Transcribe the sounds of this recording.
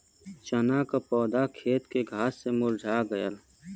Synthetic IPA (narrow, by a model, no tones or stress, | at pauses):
t͡ʃɐnaːkapɔːd̪aːkʰeːt̪keɡʱaːsːemʊld͡ʒʱaːɡɐjəl